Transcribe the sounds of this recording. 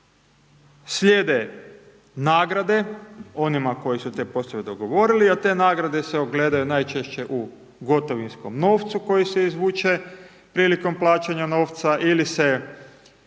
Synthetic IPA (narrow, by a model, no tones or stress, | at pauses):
slʲeːd̪e | naːɡɾad̪e̞o̞nimako̞jisut̪e̞ːpo̞sˠoʋed̪o̞ɡo̞ʋo̞ɾiliat̪e̞ːnaːɡɾad̪eseoɡle̞ːd̪ajunajt͡ʃeʃt͡ɕe̞ʔu | ɡo̞t̪oʋinsko̞mno̞ːft̪suko̞jiseizʋuːt͡ʃe̞ | pɾiːliko̞mplˠaːt͡ʃaɲano̞ːʋt̪saʔilise